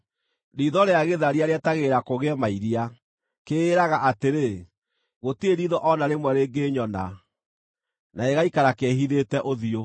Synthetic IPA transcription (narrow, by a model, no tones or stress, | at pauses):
ɾiːðɔɾeaɣeðaɾiaɾeɛtaɣeɾakoɣɛmaiɾia | keːɾaɣaʔateɾe | ɣotieɾiːðɔʔɔnaɾemwɛɾeːŋɡeɲɔna̰ | naeɣaikaɾakɛɦiðetɛʔoðio